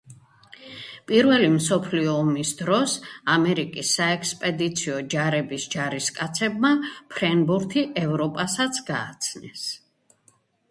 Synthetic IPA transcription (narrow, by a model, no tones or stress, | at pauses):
pʼiɾvɛlimsɔpʰliɔːmisd̪ɾɔsamɛɾikʼisːaɛkspʼɛd̪it̪sʰiɔd͡ʒaɾɛbisd͡ʒaɾiskʼat̪sʰɛbmapʰɾɛnbuɾt̪ʰiʔɛvɾɔpʼasat̪sʰɡaːt̪sʰnɛs